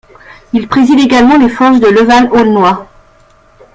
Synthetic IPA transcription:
ilpχezid̪eɡalmɑ̃lefɔʁsd̪ələvalolnwa

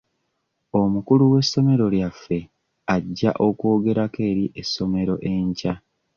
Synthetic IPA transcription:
o̞mukuluwe̞sːo̞me̞ɾo̞ljafːe̞ | aɟːa̰ʔo̞ko̞ːɡe̞ɾake̞ːɾiʔesːo̞me̞ɾo̞ʔe̞ɲca

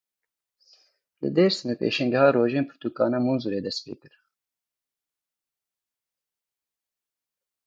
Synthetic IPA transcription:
lɨ̰d̪eːɾsɨnɛpḛːʃɛŋɡɛhɑːɾoːʒeːnpʰɨ̥ɾt̪ukɑ̰ːnɑːmunzuɾeːd̪ɛst̪pḛːkɨɾ

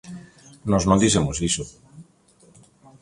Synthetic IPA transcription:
noznod̪isemoziso

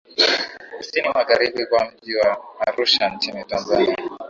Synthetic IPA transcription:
kusinimaɣaɾiɓikwam̩ʄiwaːɾuʃant͡ʃinitanzania

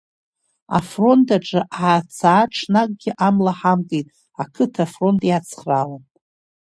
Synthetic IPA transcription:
a̰fro̞ntʰʼaʈ͡ʂʼɨʔaːt͡sʰaːʈ͡ʂʰnak̚ʼɡʲɪʔamlaħamkʼejtʼ | akʰɨtʰafro̞ntʼjat͡sʰχralanʼ

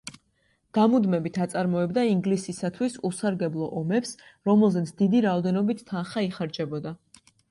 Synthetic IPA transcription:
ɡ̪̥amud̪mɛbit̪ʰat̪sʼaɾmɔɛbd̪aiŋɡlisisat̪ʰwisusaɾɡɛblˠɔʔɔmɛpsɾɔmɛlˠzɛt̪sʰd̪̥id̪iɾaɔd̪ɛnɔbit̪ʰːanχaiχaɾd͡ʒɛbɔd̪a

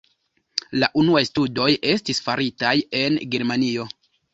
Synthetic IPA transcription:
laʔunuajstudo̞je̞stisfaɾitaje̞nɡe̞ɾmanio̞

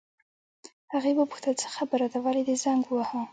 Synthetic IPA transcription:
haɣebapu̥xt̪at͡sə̥xabaɾad̪awɑlid̪ezaŋɡwaha

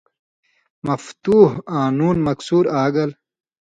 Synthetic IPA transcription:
mɐft̪uːɦaːnuːnmɐksuːɾaːɡɐl

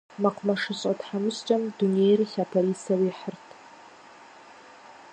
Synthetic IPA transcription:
mɐqʰʷʊmɐʂɨɕʼɐtħamɨɕt͡ʃʼɐmdunejrɬaːpʰoliːsɐwiːħərtʰ

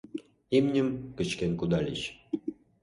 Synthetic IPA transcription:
imnʲɘ̆mkə̆t͡ɕkenkud̪ɑlʲit͡ɕ

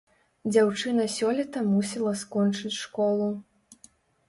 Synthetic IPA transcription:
d͡zʲawt͡ʂɨnɐsʲɔlʲɛt̪ɐmusʲɛlˠɐskɔnt͡ʂɨt͡sʲʂkɔlˠu

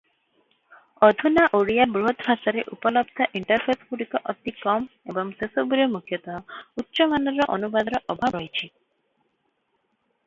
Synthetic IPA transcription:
ɔd̪ʱunaʔoɽijabɾuɦɔt̪bʱʰasaɾeʔupɔlɔbd̪ʱɔʔiɳʈɔɾpʰespuɽikɔʔɔt̪ikɔmebɔŋsesobuɾemukʰjɔt̪ɔɦɔutːʃɔmanɔɾɔʔɔnubad̪ɾɔʔɔbʱabɾɔjt͡ʃʰi

